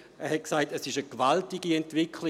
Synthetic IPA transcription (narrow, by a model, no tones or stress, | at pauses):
ɛhɛt̚ksaɪtɛsɪʃəkvaltiɡiɛntvɪkʰli